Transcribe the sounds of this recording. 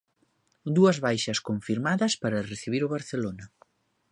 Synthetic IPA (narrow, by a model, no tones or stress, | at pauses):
d̪uɐzβajʃɐskoɱfiɾmaðɐspaɾɐreθiβiɾʊβaɾθelonɐ